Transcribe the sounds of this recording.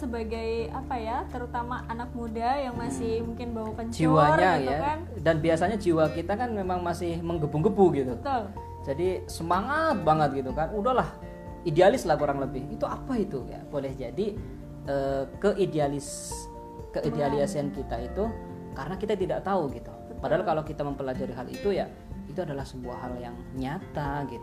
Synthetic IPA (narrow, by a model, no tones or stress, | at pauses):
səbaɡajapajat̪əɾut̪amaʔanak̚mudajaŋmasɪhmuŋkɪnbawakand͡ʒiwaɲajakan | danbiasaɲad͡ʒiwakit̪akanmemaŋmasɪhməŋɡəbuŋɡəbuɡit̪uət̪ʊl | d͡ʒadisəmaŋat̪̚baŋət̪̚ɡit̪ukanudahlah | idealɪslaɡoɾaŋləbɪhit̪uapait̪uja̰b̥olɛhd͡ʒadi | əːkəʔidealɪs | kəidealiasiankit̪ait̪u | kaɾənakit̪at̪idaʔt̪auɡit̪u | padaɦalkalokit̪aməmpəlad͡ʒaɾiɦalḭt̪uja | it̪uadalahsəbuahɦaljaŋ | ɲat̪aɡit̪u